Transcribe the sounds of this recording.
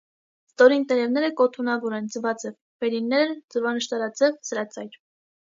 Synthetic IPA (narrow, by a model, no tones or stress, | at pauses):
st̪ɔɾint̪ɛɾɛvnɛɾəkɔt̪ʰunɑvɔɾɛnd͡zəvɑt͡sɛv | v̥ɛɾinːɛɾd͡zəvɑnəʃt̪ɑɾɑt͡sɛvsəɾɑt͡sɑjɾ